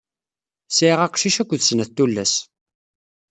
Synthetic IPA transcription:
siʁæqʃiʃækʷːðsnæt̪ːulːæs

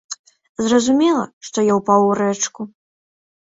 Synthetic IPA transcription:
zrɐzumʲɛlˠɐ̰ʂt̪ɔjawpawɾɛt͡ʂku

